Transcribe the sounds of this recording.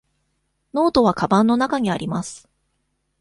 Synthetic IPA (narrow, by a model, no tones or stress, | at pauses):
no̞ːt̪o̞βakabãnːo̞nakaɲ̟iaɾʲimasɨ̥